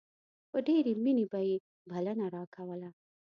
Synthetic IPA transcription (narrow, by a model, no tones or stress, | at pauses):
pəɖeɾeminebaje | bʱalənaɾɑkʰawəla